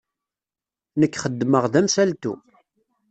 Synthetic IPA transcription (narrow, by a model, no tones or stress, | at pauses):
nəkːχəd̪ːməʁðæmsælt̪ṵ